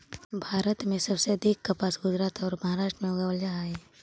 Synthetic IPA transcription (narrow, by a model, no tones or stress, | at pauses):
bʱaːɾət̪mẽsɐbseɐd̪ʱikːɐpaːsɡʊd͡ʒɾaːt̪ɔːɾmɐɦaːɾaːʃʈɾəmẽoɡawəld͡ʒaɦaːe